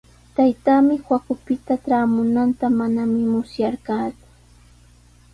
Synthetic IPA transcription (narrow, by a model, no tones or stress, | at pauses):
t̪ajt̪aːmɪxwakʊpɪt̪aʈ͡ʂɾaːmʊnant̪amanamɪmʊsjaɾkaːt͡sʊ̥